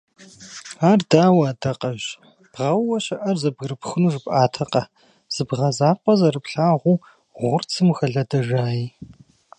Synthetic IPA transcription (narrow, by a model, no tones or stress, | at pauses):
aːrdaːwaːdɐqʼɐʑ | b̥ʁɐwwɐɕɐʔɐrzɐbɣrɨpxɨnuːʒɨpʼʔaːtʰɐqʼɐ | z̥ɨbʁɐzaːqʷʼɔzɐrɨpʰɬaːʁʷuː | ʁʷʊrt͡sʰɨmxɐɮɐdɐʒaːjiː